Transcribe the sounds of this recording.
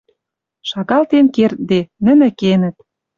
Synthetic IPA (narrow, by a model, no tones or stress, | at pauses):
ʃɑɣɑlt̪enkert̪̚d̪enə̆nɘ̆kenə̆t̪̚